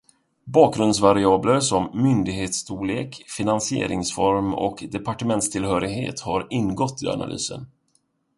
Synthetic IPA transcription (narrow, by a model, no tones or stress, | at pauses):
bɑːk̚ɡɾɵnd̪s̬vaɾɪɑːbləɾsɔmːʏnd̪ɪɡɦeːt̪st̪ʰuːleːkfɪnansɪḛːɾʔɪŋsfɔɾmɔ̰kd̪ɛpʰaʈəmɛnt̪st̪ʰɪlɦœːɾɪɡhḛːt̪haɾɪnːɡɔt̪ʰːɪa̰na̰lʔy̰ːsə̰n